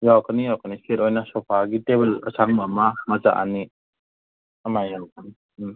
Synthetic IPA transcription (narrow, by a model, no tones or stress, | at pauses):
jakənijawkəniskʰeɾojnasɔpʰaɡitebelɐ̰sʰaŋmamamaza̰ʔa̰ni | ɐmajanan